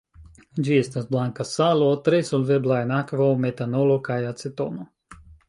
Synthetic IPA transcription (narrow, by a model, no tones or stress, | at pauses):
d͡ʒiɛst̪asblˠaŋkasalˠɔt̪ɾesulʲveblˠajnakvawmet̪anɔlˠɔkajat̪set̪o̰no